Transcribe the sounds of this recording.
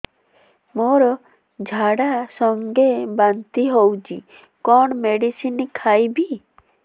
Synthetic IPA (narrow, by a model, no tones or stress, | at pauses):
moɾɔ | d͡ʒʱaɽasɔŋɡebant̪iɦowt͡ʃʰḭ | kɔɳmeɽisinikʰajbi